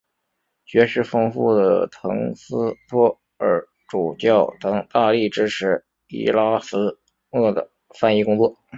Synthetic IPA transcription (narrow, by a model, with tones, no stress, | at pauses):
t͡ɕɥɛ˧˥ʂɻ̩˥˩fɤ˥ŋfu˥˩d̪ə̰˨˩t̪ʰɤ˧˥ŋsɹ̩˥pʰwɔ˥ | ə˧˥ | ʈ͡ʂu˨˩t͡ɕjɑ˥˩ʊt̪ɑ˧˥ŋt̪a˥˧li˥˩ʈ͡ʂɻ̩˥ʈ͡ʂʰɻ̩˧˥˩ | ḭ˥la˥sɹ̩˥ | nɤ˥˩d̪ə̰˩ | fa˥˧ni˥˩kʊ˥ŋt͡swɔ˥˩